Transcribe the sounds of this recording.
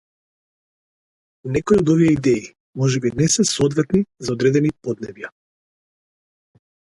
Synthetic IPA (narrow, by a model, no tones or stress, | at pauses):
nɛkoiɔd̪ɔviɛid̪ɛi | mɔʒɛbinɛsɛsɔd̪vɛt̪nizaod̪ɾɛd̪ɛnipod̪nɛvja